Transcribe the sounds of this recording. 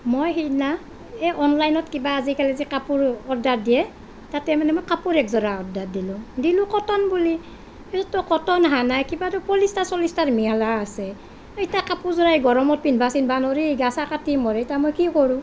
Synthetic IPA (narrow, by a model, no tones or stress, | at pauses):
mojɦina | ɛɔnlajnɔtkibaːzikalɛzikapuɹɔdat̚dijɛ | tatɛmanɛmojkapuɹɛkzɔɹaɔdatdilʊdilʊkɔtɔnbuli | isɔtɔkɔtɔnɦanajkibatʊpɔlistasɔlistaɹmialaːsɛ | itakapuzɔɹaɛɡɔɹɔmɔt̚pinbʱasinbanoɹiɡasakatimɔɹɛitamojkikɔɹũ